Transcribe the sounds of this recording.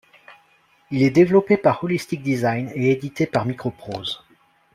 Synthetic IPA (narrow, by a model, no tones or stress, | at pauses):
ilɛd̪evlɔpepaʁɔlist̪ik̚d̪izajneed̪it̪epaʁmikχɔpχoːz